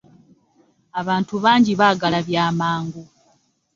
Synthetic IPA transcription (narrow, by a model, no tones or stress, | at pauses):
aβaːntuβaːɲɟiβaːɡalaβjaːmaːŋɡu